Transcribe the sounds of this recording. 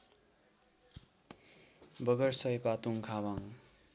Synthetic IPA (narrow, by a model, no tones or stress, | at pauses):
bʌɡʌrsʌjpat̪uŋkʰabaŋ